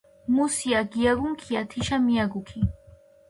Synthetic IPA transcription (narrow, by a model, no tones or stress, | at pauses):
mʊsjaɡjaɢʊŋkʰɪat̪ʰɪʃamɪjaɡʊkʰɪ